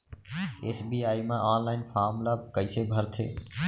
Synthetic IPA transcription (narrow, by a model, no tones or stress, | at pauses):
eːsbiːaːimãːʔaːnlaːɪnfʰaːɾmlaːkəisebʱəɾt̪ʰḛː